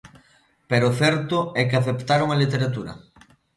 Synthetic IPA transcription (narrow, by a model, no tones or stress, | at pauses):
peɾʊθɛɾt̪ʊɛkeaθept̪aɾoŋɐlit̪eɾat̪uɾɐ̰